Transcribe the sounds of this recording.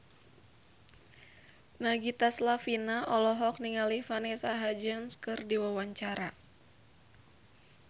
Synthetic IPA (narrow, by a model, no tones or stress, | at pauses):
naɡit̪aslafinaʔɔlɔɦɔk̚niŋalifanɛsaɦad͡ʒənskɨrdiwawaɲt͡ʃaɾa